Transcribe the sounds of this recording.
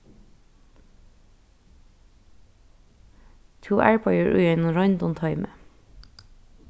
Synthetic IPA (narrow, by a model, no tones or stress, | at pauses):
t̪ʰuːʔæːɹpʰɑɪəɹʔʉ̰ːjɛnɔɹɑɪnd̪ɔnt̪ʰɑʏmə̰